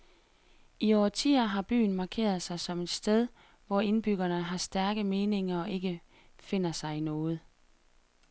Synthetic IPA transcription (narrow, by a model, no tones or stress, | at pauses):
iɒt͡sʰḭːɐɦɑ̈b̥y̰ːn̩mɑ̈kʰe̝̰ːɐð̞̩ˠsɑ̈ɪsɒ̽me̝d̥sd̥eð̞ˠ | ʋɒe̝nb̥yɡ̥ɐnəɦɑ̈sd̥æɐɡ̥əme̝ːne̝ŋɐɒʔe̝ɡ̥ə | fe̝n̰ɐsɑ̈ɪinɔ̽ːð̩ˠ